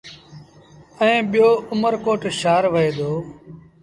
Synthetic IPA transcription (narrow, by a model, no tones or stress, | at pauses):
əẽːɓɪjoːʊməɾkoːʈʃaːɾʋəeːd̪oː